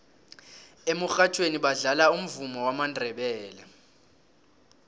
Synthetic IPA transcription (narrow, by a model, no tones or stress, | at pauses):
emuxat͡ʃʰweniɓaɮalaum̩vumɔwamandʱɛɓɛːlɛ